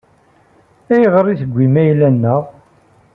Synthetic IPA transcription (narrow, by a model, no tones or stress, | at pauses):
æjʁəɾiθəɡʷːimæjlænːəʁ